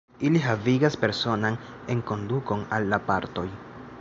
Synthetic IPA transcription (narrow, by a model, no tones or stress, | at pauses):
iliɦaviɡaspe̞ɾso̞nan | e̞ŋko̞nduko̞nalːapaɾto̞j